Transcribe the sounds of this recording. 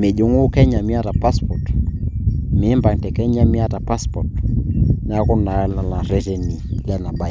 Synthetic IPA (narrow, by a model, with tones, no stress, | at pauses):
me˨ʄo˦ŋu˦kɛ˦ɲa˨mi˦a˦ta˨pa˦spɔ˨t | mi˨˦mba˨ŋtɛ˨kɛ˦ɲa˦mi˦a˦ta˨pa˦spɔ˨tn˦a˦ku˦na˨la˨na˨ɾɛ˨ʃɛ˨ni˨lɛ˦na˨ɓa˦˨